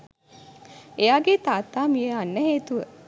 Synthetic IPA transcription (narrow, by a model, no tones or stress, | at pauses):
ejaːɡet̪aːt̪ːaːmijəanːəɦeːt̪uʋə